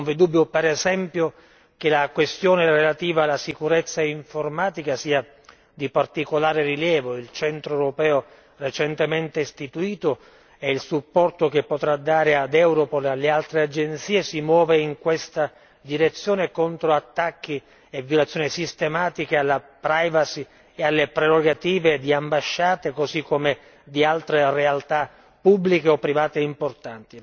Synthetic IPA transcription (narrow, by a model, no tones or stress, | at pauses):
nɱvid̪ubːjopeɾɛzɛmpjo | k̟elakwest̪joːnerelat̪iːvaːlːasikuɾet̪sːaiɱformaːt̪ikasiːa | d̪ipart̪ikolaːɾeriljɛːvoilt͡ʃɛnt̪ɾoɛwɾopɛːo | ret͡ʃɛnt̪emɛnt̪est̪it̪uiːt̪o | ɛilsupːɔrt̪okepːot̪ɾad̪ːaːɾead̪ɛwɾopolalːealt̪ɾead͡ʒent̪siːesimwɔːveiŋkwest̪a | d̪iɾet̪sːjoːnekont̪ɾoat̪ːakːi | evːjolat̪sːjoːnisist̪emaːt̪ikealːapɾajvasi | ealːepɾeɾoɡat̪iːved̪iambaʃːaːt̪ekozikːome | d̪ialt̪ɾerealt̪a | pːubːlikeɔpːɾivaːt̪eimport̪ant̪i